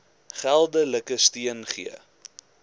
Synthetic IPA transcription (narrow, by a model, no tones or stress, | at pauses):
χælˠdələkəstiənχḭə